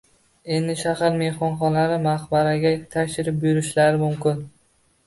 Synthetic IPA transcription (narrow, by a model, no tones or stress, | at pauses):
e̞nd̪ɪʃahaɾme̞hɒnχɒnaɾɪmaχbaɾaɡʲat̪ʰakʲʃɪɾɪp̚bjʊɾɪʃlaɾɪmʊmkʲɪn